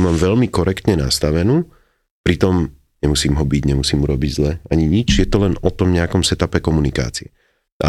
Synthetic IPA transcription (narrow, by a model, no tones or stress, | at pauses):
maːmʋɛlmikɔɾɛkt̪ɲɛnast̪aʋɛnuː | pɾit̪ɔm | ɲɛmusiːmɦɔbiɟɲɛmusiːmuɾɔbiɟzlɛaɲiɲit͡ʃjɛt̪ɔlɛnɔt̪ɔmɲɛakɔmsɛt̪apɛkɔmunika̰ːt͡siɛ | ʔa̰